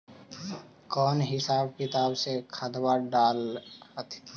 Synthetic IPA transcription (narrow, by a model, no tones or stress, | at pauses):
kɔːnɦɪsaːb̚kɪt̪aːbsekʰəd̪baɾɖaːlhət̪ʰ